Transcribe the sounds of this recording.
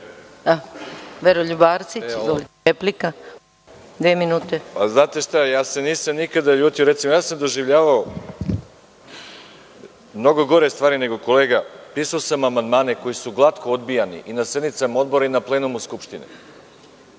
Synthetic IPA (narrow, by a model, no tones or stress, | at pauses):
aʋeɾoʎubaːɾt̪sit͡ɕzoli | eplika | d̪ʋeminuːt̪epaznaːt̪eʃt̪ajaːse̞niːsamnikad̪aʎuːt̪ijoɾet̪simojaːsamd̪o̞ʒiʋʎaːʋao | mno̞ɡo̞ɡo̞ɾest̪ʋaːɾine̞ɡo̞ko̞leːɡapiːsaosamamand̪maːneko̞jisuɡlˠat̪kʰood̪bijanḭʔinased̪nit̪samao̞d̪̚bo̞ɾainaplˠeːnumuskupʃt̪inḭ